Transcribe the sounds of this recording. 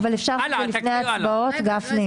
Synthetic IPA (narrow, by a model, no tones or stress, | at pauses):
valefʃaʁzolifne̞jaːt͡sbao̞t̪ɡafne